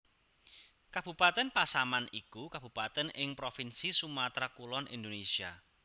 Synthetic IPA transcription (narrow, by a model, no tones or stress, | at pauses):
kab̥ṳpat̪ɛnpasamanikukab̥ṳpat̪ɛnɪŋpɾofinsisumat̪ɾakulɔnḭnd̪onesia